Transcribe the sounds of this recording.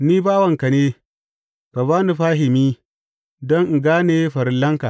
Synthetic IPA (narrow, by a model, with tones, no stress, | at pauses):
niː˦baː˦wɐ˨ŋka˨neː˦ | ka˨βaː˦ni˨ɸaː˦ɦɪ˨miː˦ | dɔ˦ŋ̩˨ɡaː˦neː˨˦ɸɐ˨ɾɪ˦nlːɐ˦ŋka˨